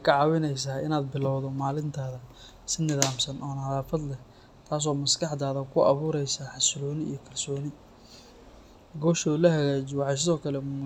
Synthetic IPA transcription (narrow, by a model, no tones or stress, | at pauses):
jkʰɑʕɑːwɪnɛjs̬aːɪnaːd̪̚bɪlɔwðɔmaːlɪnt̪ʰaːðɐ | sɪnɪðaːmsɐnʔɔːnɐhɐðaːfɐd̪lɛh | t̪ʰaːs̬ɔːmɐskʰɑħd̪aːðɐkʰʊɐ̰βuːɾɛjsaːħɑslɔːnɪḭjɞkʰɐrsɔːnɪ | ɡɔːʃɔʊlɐɦɐɣaːt͡ʃɪwɑħɑs̬ɪðɔːkʰɐlɛ